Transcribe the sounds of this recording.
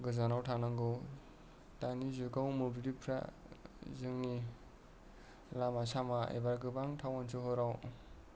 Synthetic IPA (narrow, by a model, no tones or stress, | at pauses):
ɡɯzanawtʰanaŋɡɯw | tanizuɡawmobilipʰɾa̰ | zɯŋni | lamasamaḛbaɾɡɯbaŋtʰawansʰɯɦɔɾaw